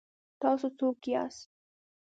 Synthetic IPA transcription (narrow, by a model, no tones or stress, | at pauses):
t̪ɑsut̪ukia̰s